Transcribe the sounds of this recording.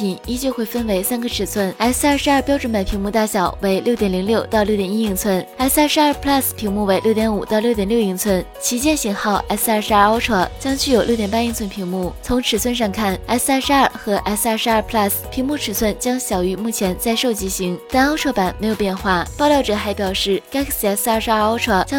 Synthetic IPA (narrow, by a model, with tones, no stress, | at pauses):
pʰi˨˩ni˥t͡ɕjo˥˧ʊxwe˥˩ɪfə˥nwe˧˥ɪsa˥nɡə˨ʈ͡ʂʰɻ̩˨˩t͡sʰwə˥˩na˥ɪs̩˥˧ɐ˥˧ʂɻ̩˧˥ɐ˞˥˧pjɑ˥ʊʈ͡ʂwə˧˥ma˨˩ɪpʰi˧˥mu˥˧t̪a˥˩ɕjɑ˨˩ʊwe˧˥ɪljʊt̪jɛ˨˩nli˧˥ŋljo˥˧ʊt̪ɑ˥˧ʊlo˥˩ʊt̪jɛ˨˩ni˥i˧˥˩ŋt͡sʰwə˥˩na˥ɪs̩˧a˥˧ʂ̩˧ɐ˞˥˧pʰla˥˧spʰi˧˥ŋmu˥˩we˧˥ɪljo˥˩ʊt̪jɛ˧˥nu˨˩t̪ɑ˥˧ʊljo˥˩ʊt̪jɛ˨˩ljo˥˧ʊi˧˥˩ŋt͡sʰwə˥˩n | t͡ɕʰi˧˥t͡ɕjɛ˥˧nɕi˧˥ŋxɑ˥˩ʊʔa˥s̩˧a˥˧ʂɻ̩˧˥a˞˥˧ɑ˥ʊʈ͡ʂʰɤ˥˩t͡ɕjɑ˥ŋt͡ɕy˥˩jo˨˩ʊljt̪jɛ˨˩npa˥i˥˧ŋt͡sʰwə˥npʰi˧˥ŋmu˥˩t͡sʰʊ˧˥ŋʈ͡ʂʰɻ̩˨˩swə˥˧nʂɑ˥˧ŋkʰa˥˩na˥ɪs̩˧a˥˧ʂɻ̩˧˥a˞˥˩xɤ˧˥ʔa˧˥s̩˧a˞˥˧˩ʂɻ̩˧˥ɐ˞˥˧pʰla˥˩spʰi˧˥ŋmu˥˩ʈ͡ʂʰɻ̩˨˩sʰwə˥˩nt͡ɕjɑ˥ŋɕjɑ˨˩ʊy˧˥mu˥˩t͡ɕʰjɛ˧˥nt͡sa˥˧ɪʂo˥˩ʊt͡ɕi˧˥ɕi˧˥ŋt̪a˥˩nɑ˥ʊʈ͡ʂʰwɤ˥˩pa˨˩˦nme˧˥ɪjo˨˩ʊpjɛ˥˧nxwa˥˩pʊljɑ˥˩ʊʈ͡ʂɤ˨˩xa˧˥ɪpjɑ˨˩ʊʂɻ̩˥˩ka˥kʰs̩˧˩a˥s̩˧a˥˧ʂ̩˧a˞˥˧o˥ʈ͡ʂʰɔ˥˩t͡ɕjɑ˥